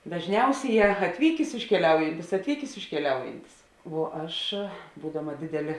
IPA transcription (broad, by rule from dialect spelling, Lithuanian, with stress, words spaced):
dɐʒʲˈnʲɛʊsʲeːˌjɛː ɐtʲˈʋʲiːkʲeːs ɪʃʲkʲɛˈlʲɛʊjɛnʲtʲɪs ɐtʲˈʋʲiːkʲeːs ɪʃʲkʲɛˈlʲɛʊjɛnʲtʲɪs ʋuɔ ˈɐʃ ˈbuːdɐmɐ dʲeːˈdʲæːlʲeː